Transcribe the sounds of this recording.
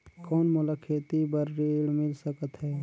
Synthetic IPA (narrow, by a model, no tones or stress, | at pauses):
kɔːnmʊləkʰeːt̪ibəɾːeːɽmɪlsəkət̪ɦɛː